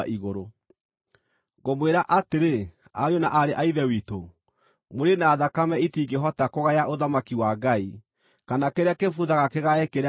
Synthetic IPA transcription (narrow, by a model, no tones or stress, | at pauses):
ʔiɣoɾo | ɡomweɾaʔateɾe | aɲonaʔaɾeʔaiðɛwito | moɾenaːðakamɛitiɡeɦɔtakoɣajaʔoðamakiwaɡai | kanakeɾeakefuðaɣakeɣaɛkeɾ